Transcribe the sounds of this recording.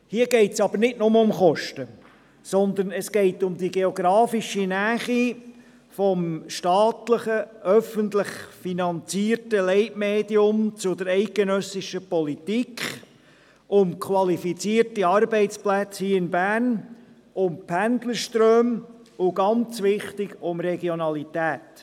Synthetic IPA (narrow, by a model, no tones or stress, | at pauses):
hiːəɡɛɪtsɑb̥əɾnɪtnʊməʊmχɔʃtə | sɔnd̪ənɛsɡ̥eɪtʊmd̪iɡeoɡɾɑːfiʃinæːχi | fɔmʃtɑːtləχəʔœfəntlɪχfinɑnt͡siːɾtəlɛɪʔmeːd̪iʊmt͡sʊd̪əɾɛɪk̚ɡ̥enœsɪʃəpɔlit̪ikχ | ʊmkʰχwɑlifit͡siːəɾtiɑɾbɛɪtt͡splæt͡shiːɪnbæːɾn | ʊmpʰænd̪ləɾʃtɾøːm | ʊɡɑnt͡sʋɪχtɪɡʊmɾɛɡjɔnɑlit̪æːt